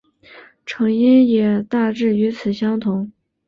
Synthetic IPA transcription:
ʈ͡ʂʰɤ˧˥ŋi˥njɛ˨˩t̪a˥˧ʈ͡ʂɻ̩˥˩y˧˥t͡sʰɹ̩˨˩ɕjɑ˥ŋt̪ʰʊ˧˥ŋ

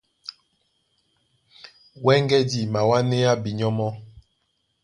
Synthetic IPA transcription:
wɛ˦ŋɡɛ˦di˨ma˨wa˦ne˦a˦bi˨ɲɔ˦mɔ˦

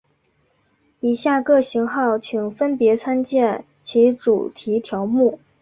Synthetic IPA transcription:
i˨˩ɕja˥˩kɤ˥˩ɕi˧˥ŋxɑ˥˩ʊt͡ɕʰi˨˩ŋfə˥npjɛ˧˥t͡sʰa˥nt͡ɕjɛ˥˩n | t͡ɕʰi˧˥ʈ͡ʂu˨˩t̪ʰi˧˥t̪ʰjɑ˧˥ʊmu˥˩

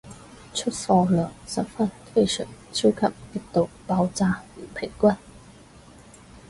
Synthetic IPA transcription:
t͡ʃʰɵ˥t̚fɔː˧lœː˨˩ŋsɐ˨˥p̚fɐ˥nt̪ʰe˥˧jsœ̰˨˩ŋt͡sʰi˥wkʰɐ˨˩p̚ki˥k̚t̪o˨wpaː˧wt͡saː˧jy˨˩pʰɪ˨˩ŋkʷɐ˥˩n

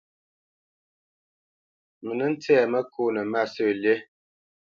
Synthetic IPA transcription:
mə˨nə˦n̩˦tɛː˦˨mə˦ku˦nə˨ma˦˨sə˦˨lje˦

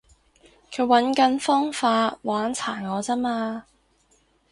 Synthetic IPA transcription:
kʰɵ˨˧˥ɥwɐ˨˥nkɐ˧nfɔː˥ŋfaː˧waː˨˥nt͡sʰaː˨˩nŋɔː˨˧t͡sɐ˥maː˧

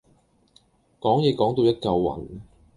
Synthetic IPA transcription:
kɔː˨˥ŋjɛː˨˧kɔː˨˥ŋt̪o˧wjɐ˥t̚kɐ˧wːɐ̰˨˩n

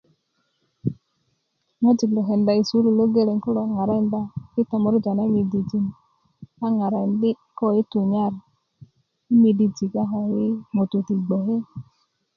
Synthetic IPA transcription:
ŋo˦d͡ʒi˨klo˨ɦe˨nda˨i˨su˨˦lu˨lo˦ɡe˦le˨ŋku˦lo˨a˨ŋa˨ɾa˦nda˦ki˦ta˨mo˨˦ɾd͡ʒa˨na˦mi˨di˨d͡ʒi˨n | a˦ŋa˨ɾa˨ndi˦ | kɔ˦i˦tu˨ɲa˦˨ɾ | i˦mi˨di˨d͡ʒi˨ka˦ɦɔ˨i˦mo˨tu˨ti˨ɡ͡bo˨ɦe˦

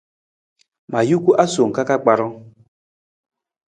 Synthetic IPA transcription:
ma˨ju˦kʷu˦ʔa˦so˨ŋ̩˨ka˦ka˦k͡pa˨ɾɔ˦

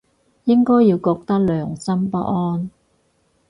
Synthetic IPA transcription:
jɪ˥ŋkɔː˥jːiː˧wkɔː˧k̚t̪ɐ˥k̚lœː˨ŋsɐ˥mpɐ˥ʔ̚ɔː˥n

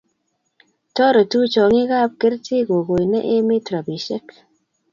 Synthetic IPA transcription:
tɔ˦ɾɔ˨tu˦t͡ʃɔ˨ŋɪ˦ɣa˦˨p̚ke˦ɾtɪ˦ɡo˨ɡo˨jnɛ̰˦ʔe˦mɪ˦tɾa˨bi˨ʃɛ˦k

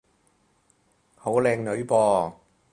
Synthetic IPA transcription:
ho˨˥wlɛː˧ŋnɵ˨˧ɥpɔː˧

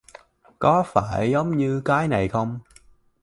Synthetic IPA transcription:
kɔ˨˦faː˧˩jzə˨˦wŋ͡mɲɨ˧kaː˨˦jna˨˩jxə˧wŋ͡m

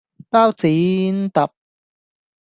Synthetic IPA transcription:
paː˥wt͡siː˨˦nt̪ɐ˨p̚

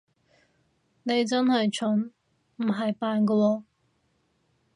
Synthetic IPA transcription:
ne˨˧jt͡sɐ˥nhɐ˨jt͡ʃʰɵ˨˥n | m̩˨˩ɦɐ˨jpaː˨˧nkɐ˧wɔː˧

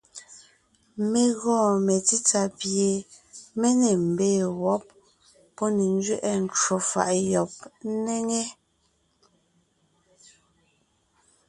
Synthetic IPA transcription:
me˨ɣɔ̃ː˦˨me˨ti˦t͡sa˨pje˨me˦ne˨m̩˨beː˦˨wɔ˨˦p̚ː | ɔ˦ne˨n˦d͡ʒɥɛ˦ʔɛ˦n˨t͡ʃo˨fa̰˨ʔjɔ˨p̚ne˦ŋe˦

